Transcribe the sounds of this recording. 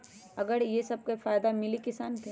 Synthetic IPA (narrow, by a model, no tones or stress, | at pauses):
ɐɡəɾjesɐb̚kefaːjd̪amɪlikɪsaːnke